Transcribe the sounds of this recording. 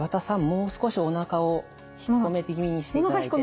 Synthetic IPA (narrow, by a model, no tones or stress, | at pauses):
βat̪asãmːo̞ːsɨ̥ko̞ɕio̞nakao | çi̥omet̪eɡʲimʲiɲ̟iɕi̥tnokaçi̥ko